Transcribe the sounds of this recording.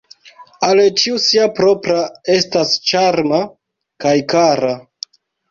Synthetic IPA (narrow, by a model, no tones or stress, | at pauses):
alet͡ʃiusiapɾo̞pɾae̞stast͡ʃaɾma | kajkaɾa